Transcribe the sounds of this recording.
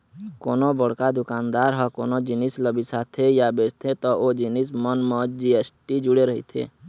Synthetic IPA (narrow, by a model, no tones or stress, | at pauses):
koːnobəɽ̤kad̪ʊkaːnd̪aːɾɦɔko̰ːnod͡ʒɪnisləbisat̪ʰejabeːd͡ʒt̪ʰet̪ɔod͡ʒinismənmɔd͡ʒiesʈid͡ʒʊɽeɾəɦḭt̪ʰḛː